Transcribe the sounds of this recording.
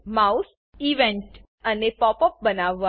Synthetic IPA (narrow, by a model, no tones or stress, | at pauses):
maus | iʋɛ̃ɳʈ | ənepɔpɔp̚bənaʋːa